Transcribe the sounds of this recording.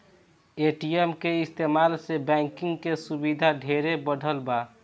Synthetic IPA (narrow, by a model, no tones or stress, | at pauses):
eʈiemkeist̪emalsebɛ̃ŋkiŋɡkesubid̪ʱaɖʱeɾebəɖʱəlba